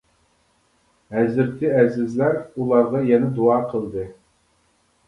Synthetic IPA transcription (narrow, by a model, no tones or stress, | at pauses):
ɦɛzɪɾt̪ʰɪɛzɪzlæɾulˠɑɾʁɑjɛnɛd̪uɑːqʰəlˠd̪ɨ